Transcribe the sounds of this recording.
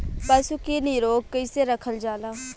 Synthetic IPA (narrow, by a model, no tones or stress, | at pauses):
pasuːkiːniːɾoːɡ̚kəiseːɾəkʰəld͡ʒaːlaː